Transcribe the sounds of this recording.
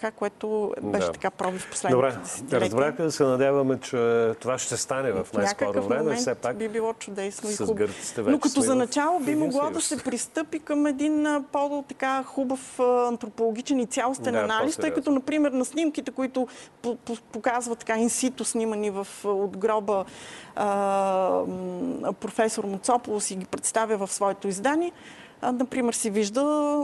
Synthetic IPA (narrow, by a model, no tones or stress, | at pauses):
kakoɛt̪ʊbɛʃɛt̪ɐ̥kapɾɔvifpo̥slɛd̪obɾɛɛsɛɾɐɛzbɾaxk̪id̪ɐsɛnɐd̪ʲavɐmɛt͡ʃɛt̪ovaʃt̪ɛst̪anɛvɐfnanajɲkəɔɾovfvmɾɛmɛnsɛabibilˠɔt͡ʃʊd̪ɛsnoizuɡəɾi̥t̪ɛvnokɐt̪ɔzɐnɐt͡ʃalˠobimoɡlˠad̪ɐsɛpɾist̪ɤpikəmɛd̪inpot̪ɐkaxubəfɐnt̪ɾopolˠoɡ̟ʲit͡ʃɛnit̪sʲjalˠost̪ɛnɐnalist̪ɤjkɐt̪ɔnɐpɾimɛɾnɐsnʲimk̟it̪ɛkoit̪ʊppokazvət̪ːɐ̥kainsit̪ʊsnʲimənivəfod̪ɡɾɔbə | pɾofɛsoɾmʊt̪sɔpolˠʊsiɡʲipɾɛt̪st̪avʲjəvɐfsvɔɛt̪oizd̪aniɛ | nɐpɾimɛɾsiviʒd̪ə